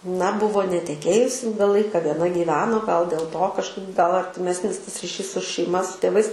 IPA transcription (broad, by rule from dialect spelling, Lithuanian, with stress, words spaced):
nɐ ˈbʊʋoː nʲɛtʲɛˈkʲeːjʊs ˈɪlˠɡɐ ˈlˠɐɪkɐ ʋʲiɛˈnɐ ɡʲiːˈʋʲæːnoː ɡɐlˠ dʲeːlˠ toː kɐʃˈkɐɪp ɡɐlˠ ɐrʲtʲɪˈmʲæːsʲnʲɪs tɐs rʲɪˈʃʲiːs sʊ ʃʲɛɪˈmɐ sʊ tʲeːˈʋɐɪs